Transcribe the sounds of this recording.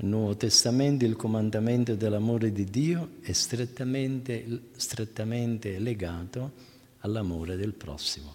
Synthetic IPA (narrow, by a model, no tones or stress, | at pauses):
nːwɔːvot̪est̪amɛnt̪ilkomand̪amɛnt̪ʊd̪elːamoːɾed̪id̪iːoɛst̪ɾet̪ːamɛnt̪e | st̪ɾet̪ːamɛnt̪eleɡaːt̪o | alːamoːɾed̪ɪlpɾɔ̰sːimʊ